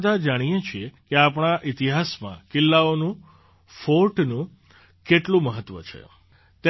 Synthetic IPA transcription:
d̪ʱad͡ʒaɽ̃ijet͡ʃʰiekeapɳ̃aʔit̪iɦasmã̰kɪlːaonũ | foʈnũ | keʈlũməɦət̪ːʋət͡ʃʰḛ | t̪

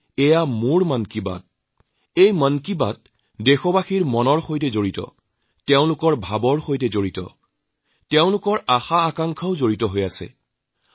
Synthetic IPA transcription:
ɛjamuɹmankiba̰t̚ | ejmankibat̚ | dexɔbaxiɹmɔnɔɹxojtɛzoɹitɔ̰ | tɛʊ̃lʊkɔɹbʱabɔɹxojtɛzoɹitɔ̰ | tɛʊ̃lʊkɔɹaxaːkaŋkʰaʊzoɹitɔɦojasɛ̰

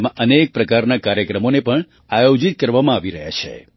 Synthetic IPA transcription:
mãʔənek̚pɾəkaɾnakaɾjəkɾəmonepəɳ | ajod͡ʒit̪̚kəɾʋamãaʋiɾəɦja̰t͡ʃʰḛ

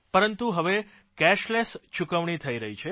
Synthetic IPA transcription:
pəɾənt̪uɦəʋe | kɛʃlest͡ʃʰukəʋɳit̪ʰəiɾəɦit͡ʃʰe

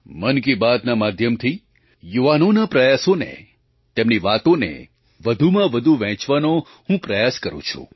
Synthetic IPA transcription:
mənkibad̪namad̪ʱjəmt̪ʰi | juʋanonapɾəjasonḛ | t̪emniʋat̪onḛ | ʋəd̪ʱumãʋəd̪ʱuʋɛ̃t͡ʃʋano | hũpɾəjaskəɾṵ̃t͡ʃʰṵ̃

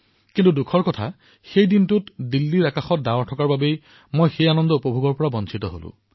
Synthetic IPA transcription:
kintudukʰɔɹkɔtʰa | xejdintutdilːiɹakaxɔt̚dawaɹtʰɔkaɹbabej | mojxejanɔndɔupɔbʱuɡɔɹpɔɹabɔnt͡ʃʰitɔɦo̰lʊ̰̃

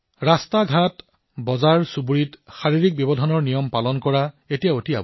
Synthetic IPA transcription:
ɹastaɡʱat | bɔzaɹsubuɹitxaɹiɹik̚bjɔbɔdʱɔnɔɹnijɔmpalɔnkɔɹa | etijaotia̰b

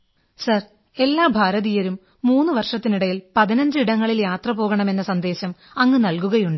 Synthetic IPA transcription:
sɐr | e̞lːaːbʱaːɾɐðijɐɾumː | uːnːɨʋɐrʂɐt̪ːiniɽɐjilpɐðinɐɲd͡ʑɨiɽɐŋːɐɭiljaːt̪rɐpoːɣɐɳɐme̞nːɐsɐnd̪eːɕɐm | ɐŋːɨnɐlkuɣɐjuɳɖɨ

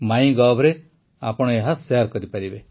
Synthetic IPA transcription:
maj̃ɡabʱɾe | a̰pɔɽ̃ɔeɦasejaɾkɔɾipaɾibe

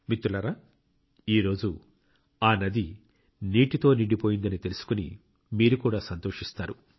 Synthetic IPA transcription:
mit̪ːulɐɾa | iːɾo̞ːd͡ʒu | aːnɐd̪i | niːʈit̪o̞ːniɖipo̞ːjind̪ɐnit̪elusu̥kunḭ | miːɾukuːɽaːsɐnt̪o̞ːʂist̪aːɾu

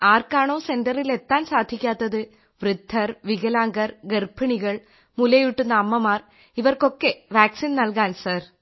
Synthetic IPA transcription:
aːɾkaːɳoːsɛnɖɐɾilɛt̪ːaːnsaːd̪ʱikʲːaːt̪ːɐðɯ | ʋɾɪd̪ʱːɐɾʋɪɣɐlaːŋɡɐɾɡɛrpːɪɳiɣɐɭ | mʊlɐjuʈːɯnːɐːmːɐmaːɾ | ɪʋɐrkokːeʋaːksinnɐlɣaːnsaːɾ

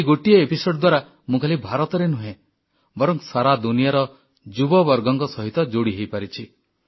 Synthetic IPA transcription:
ɡoʈiɔepisoɖɔd̪waɾa | mũkʰalibʱaɾɔt̪ɔɾenuɦẽ | bɔɾɔŋsaɾad̪unijaɾɔ | d͡ʒubɔbɔɾɡɔŋkɔsɔɦit̪ɔd͡ʒoɽiɦejpaɾit͡ʃʰi

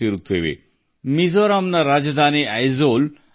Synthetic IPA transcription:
eɾut̪ʰːebḛ | mizoɾamnaɾad͡ʑd̪ʱaniajzol

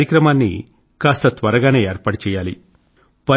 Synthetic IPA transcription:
jɐkɾɐmaːnːḭ | kaːst̪ɐt̪ʋɐɾɐɡaːne̞ːeːɾpaːɽɐt͡ʃɛːjaːli | pɐ

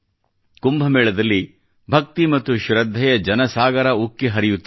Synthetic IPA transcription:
kumbʱɐmɛːɭɐd̪ɐlːi | bʱɐk̚t̪imɐt̪ːuʃuɾɐd̪ʱːɐjɐd͡ʒɐnɐsaːɡɐɾɐukːiɦɐɾijut̪ː

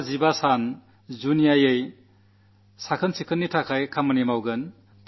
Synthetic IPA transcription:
zibasan | zunijajej | sakʰənsikʰɯnːitʰakʰajkʰamɐnemawɡɐn

